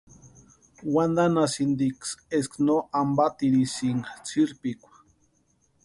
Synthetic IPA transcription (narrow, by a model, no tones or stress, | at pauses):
wand̪anasind̪iksesknoambat̪iɾisiŋɡat͡sʰiɾpikʷḁ